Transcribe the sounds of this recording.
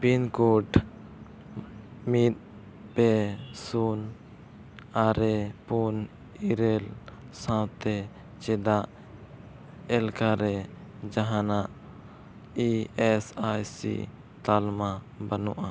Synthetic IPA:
pinkoʈ | mit̪̚ | pɛsun | aɾɛpun | iɾɛlsãwt̪ɛ | t͡ʃɛd̪aʔ | ɛlkaɾɛd͡ʒaɦãnaʔ | iɛsajsḭ | t̪alma | bənuʔa

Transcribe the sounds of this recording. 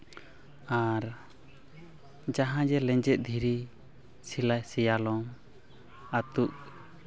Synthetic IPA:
aɾ | d͡ʒaɦãd͡ʒɛlɛ̃ɲd͡ʒɛt̪̚ˀd̪ʱiɾi | silajsɛjalɔm | at̪uk̚

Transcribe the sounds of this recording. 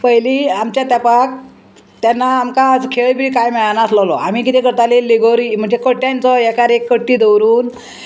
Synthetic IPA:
pəjliːamt͡ɕjat̪apak̚ | t̪janːaːmkad͡zkʰeɭbʱiːkajmeɭanaslɔlɔam̤ikit̪ekəɾt̪alelːiɡoɾim̤əɳd͡zekəʈjant͡sɔjɛkaɾekːəʈːiːd̪əwɾuːn

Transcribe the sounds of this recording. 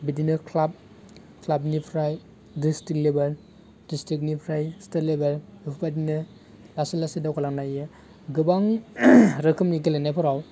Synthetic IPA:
bidinɯkʰlab̚ | kʰlab̚nipʰɾaj | distik̚lebaɾ | distɾik̚nipʰɾajstaɾlebaɾupʰupadinɯ | lasilasidakʰɔlaŋnajjɯ | ɡɯbaŋ | ɾɯkʰɯmniɡelenajpʰɔɾaw

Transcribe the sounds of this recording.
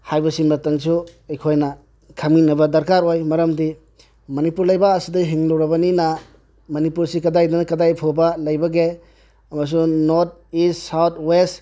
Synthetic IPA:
hajbɐsiŋmɐtɐŋsuɐjkʰojnɐ | kʰaminɐbɐdɐɾkaɾojmɐɾɐmdi | mɐnipuɾlɐjbɐːsidɐɦiŋlowɾɐbɐnina | mɐnipuɾsikɐdajdɐnɐkɐdajpʰobɐlɐjbɐɡe | ɐmɐs̬unoɾt̚issawt̪̚ʰwest

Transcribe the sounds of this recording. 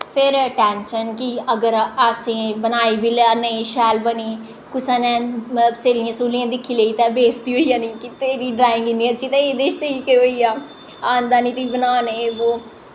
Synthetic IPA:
pʰɪɾʈɛːnʃənkiəɡəɾəsĩːbənaːiːbiːlaneiʃɛːlbəniː | kʊsãːnɛ̃ːseːlɪjãːsuːlijãːd̪ɪkʰːiːləiːt̪ɛ̃ːbeːsd̪iːɦoːiːjaːnĩːkɪt̪eːɾiːɖɾaːɪ̃ŋɡɪnd̪iːəːt͡ʃiːt̪ãeːd̪eːʃt̪eːiːkeɦoːiːaː | aːnd̪aːniːt̪iːbənaːneʋoː

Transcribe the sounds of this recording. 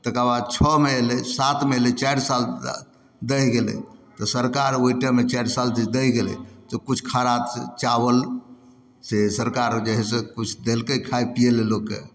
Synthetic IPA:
t̪əkɾabad̪̚t͡ʃʰɔmeelɛsat̪ʰmelɛt͡ʃajɾsal | d̪əjɡelɛ̰t̪ɔsəɾkaɾoiʈəmet͡ʃajɾsalt͡ʃid͡ʒd̪əjɡelɛ̰t̪ɔkut͡ʃʰkʰaɾat̪t͡ʃaβəl | sesəɾkaɾd͡ʒəɦɛsẽkut͡ʃʰd̪elkəkʰaepijelelokːḛ

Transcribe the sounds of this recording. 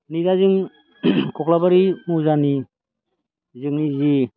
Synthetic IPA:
nidazɯŋ | kʰɔklabaɾimuzani | zɯŋnizi

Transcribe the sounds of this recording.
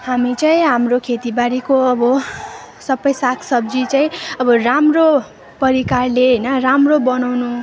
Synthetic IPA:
hamit͡saĩɦamrokʰet̪ibaɾikoʌbʌ | sʌbʌjsakʰsʌb̚d͡zit͡saĩʌbʌramro | pʌɾikarleɦʌjnʌramrobʌnawnu

